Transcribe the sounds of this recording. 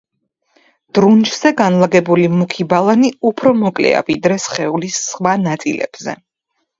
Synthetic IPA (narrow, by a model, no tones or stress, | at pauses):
d̪̥ɾunt͡ʃʰz̥ɛɡanlˠaɡɛbulimukʰibalˠaniupʰɾɔmɔkʼlɛ̰a̰vid̪ɾɛsχɛulisχwanat̪sʼḭlɛ̰b̥z̥ɛ̰